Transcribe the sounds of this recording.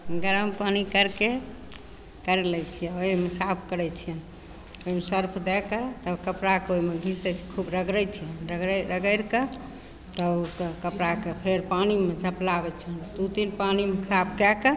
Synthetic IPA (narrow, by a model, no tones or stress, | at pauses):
ɡəɾəmpanikəɾke | kəɾelɛt͡ʃʰijɛoimesapʰkəɾɛt͡ʃʰijən | oɦimesəɾpʰd̪ɛkət̪əbkəpɾakeoimeɡʱisd̪ɛt͡ʃʰi̥kʰubɾəɡɾɛjt͡ʃʰijənɾəɡɾɾəɡəɾke | t̪əkəpɾakepʰeɾpanimed͡ʒʱəplabɛt͡ʃʰijənd̪ut̪inpanimekʰapʰkɛkə